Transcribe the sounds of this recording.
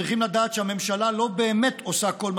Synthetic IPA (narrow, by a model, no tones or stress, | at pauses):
iχimlad̪aːt̪ʃehame̞mʃalalo̞beːme̞t̪o̞sako̞lm